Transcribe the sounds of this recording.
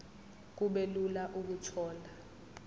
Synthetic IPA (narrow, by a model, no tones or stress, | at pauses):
k̬uɓelulaʔuk̬utʰɔːla